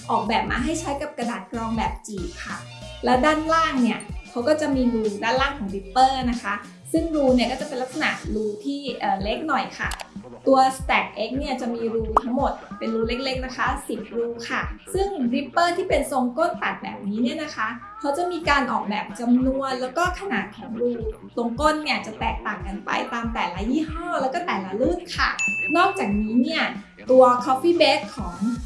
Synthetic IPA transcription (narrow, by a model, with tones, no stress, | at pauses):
ʔɔː˨˩k̚bɛː˨˩p̚ma̰ː˧ɦa˥˩jt͡ɕʰa˦˥jka˨˩p̚ka˧daː˨˩t̪̚klɔː˧ŋbɛː˨˩p̚t͡ɕiː˨˩p̚kʰa˥˩ | lɛː˦˥wdaː˥˩nlaː˥˩ŋni˥˩ɐkʰa˦˥wkɔː˥˩t͡ɕa˨˩miː˧ɾuː˧daː˥˩nlaː˥˩ŋkʰɔː˩˦ŋɾi˦˥pːɤː˥˩na˦˥kʰa˦˥ | sɯ˥˩ŋɾuː˧ni˥˩ɐkɔː˥˩t͡ɕa˨˩pe˧nla˦˥ksa˧na̰˨˩ʔɾuː˧t̪ʰiː˥˩ʔɤː˨˩le˦˥k̚nɔ˨˩jkʰa̰˥˩ | t̪u˧ɐst̪ɛː˨˩k̚ʔe˦˥k̚ni˥˩ɐt͡ɕa˨˩ʔmiː˧ɾuː˧t̪ʰa˦˥ŋmo˨˩t̪̚pe˧nɾuː˧le˦˥k̚le˦˥k̚na˦˥kʰa˦˥si˨˩p̪̚ɾuː˧kʰa˥˩sɯ˥˩ŋɾi˦˥pːɤː˥˩t̪ʰiː˥˩pe˧nso˧ŋkoː˥˩nt̪a˨˩t̪̚bɛ̰ː˨˩p̚niː˦˥ni˥˩ɐna˦˥kʰa˦˥ | kʰa˦˥wt͡ɕa˨˩miː˧kaː˧nʔɔː˨˩k̚bɛː˨˩p̚t͡ɕa˧mnu˧ənlɛː˦˥wkɔː˥˩kʰa˧naː˨˩t̪̚kʰɔː˩˦ŋɾuː˧ | so˧ŋko˥˨nːi˥˩ɐt͡ɕa˨˩t̪ɛː˨˩k̚t̪aː˨˩ŋka˧npa̰˧jt̪aː˧mt̪ɛː˨˩la˦˥jiː˥˩hɔː˥˩lɛː˦˥wkɔː˥˩t̪ɛː˨˩la˦lɯː˥˩k̪̚kʰːa̰˥˩nɔː˥˩k̚t͡ɕaː˨˩k̚niː˦˥ni˥˩ɐ | t̪u˧ɐkʰɔː˦˥pːiː˥˩beː˦˥t̪̚kʰɔː˩˦ŋ